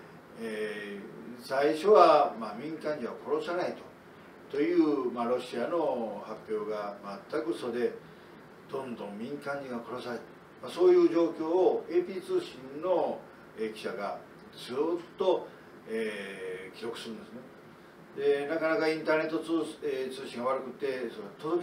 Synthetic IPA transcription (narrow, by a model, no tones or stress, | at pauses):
e | saiɕo̞βamamʲĩŋkãɲ̟d͡ʑiβako̞ɾo̞sanait̪o̞̥ | t̪o̞jɯ̟ːmaɾo̞ɕiano̞hapʲːjo̞ːɡamat̪ːakɯ̟so̞d̪e̞ | d̪õ̞nd̪õ̞mmʲĩŋkãɲd͡ʑiɡako̞ɾo̞saɾit̪ | maso̞ːjɯ̟ːʑo̞ːkʲo̞ːoe̞ːpʲiːt͡sɨːɕĩnno̞ | ekʲi̥ɕaɡa | d͡zɨːt̪ːo̞ | eːkʲiɾo̞kɯ̟sɨɾɯ̃nd̪esɨne | d̪e̞nakanakaĩnt̪aːne̞t̪ːoːet͡sɨːɕĩŋɡaβaɾɯ̟kɯ̟t̪ːe̞soɾet̪o